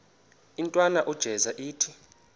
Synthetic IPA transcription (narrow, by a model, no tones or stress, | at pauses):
intʼwanaʔud̥ʒ̥ʱɛzaʔiːtʰi